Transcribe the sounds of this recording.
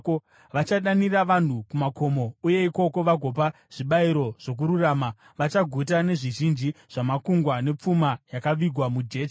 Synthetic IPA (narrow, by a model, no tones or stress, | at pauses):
ʋat͡ʃaɗaniraʋan̤ukumako̞mo̞uje̞iko̞ko̞ʋaɡʱo̞p̬a | ʐ̥iɓaiɾo̞ʐ̥o̞k̬uɾuraːma | ʋat͡ʃaɡʱut̬ane̞ʐiʒind͡ʒiʐ̥amakuŋɡwane̞p͡fumajakaʋiɡʱwamud͡ʒe̞ːt͡ʃ